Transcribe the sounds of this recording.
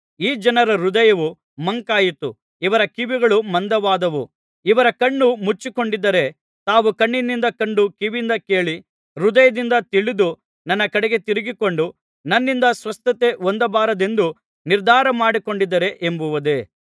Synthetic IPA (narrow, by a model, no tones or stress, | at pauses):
iːd͡ʒɐnɐɾɐɾud̪ɐjɐʋu | mɐŋkaːjit̪ṵ | iʋɐɾɐkiʋiɡɐɭumɐnd̪ɐʋaːd̪ɐʋṵ | iʋɐɾɐkɐɳːumut͡ʃːiko̞ɳɖid̪ːɐɾe̞ | t̪aːʋukɐɳːinːind̪ɐkɐɳɖukiʋind̪ɐke̞ːɭi | ɾud̪ɐjɐd̪ind̪ɐt̪iɭid̪u | nɐnːɐkɐɽɛɡe̞t̪iɾiɡiko̞ɳɖu | nɐnːind̪ɐsʋɐst̪ɐt̪e̞ond̪ɐbaːɾɐd̪e̞nd̪u | niɾd̪ʱaːɾɐmaːɽikoɳɖid̪ːɐɾe̞ʔembuʋɐd̪e̞